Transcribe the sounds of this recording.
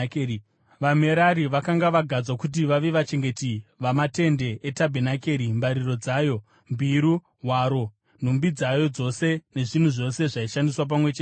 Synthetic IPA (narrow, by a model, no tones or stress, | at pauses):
ʋame̞ɾaɾiʋakaŋɡaʋaɡʱad͡zwakut̬iʋaʋe̞ʋat͡ʃe̞ŋɡe̞tiʋamate̞nde̞ʔetabʱenake̞ɾimbaɾiro̞d͡zaːjo̞ | mbiɾu | ɦwaɾo̞ | n̤umbid͡zajo̞d͡zo̞se̞ne̞ʐin̤uʐo̞se̞ʐaiʃandiswap̬amwe̞t͡ʃeː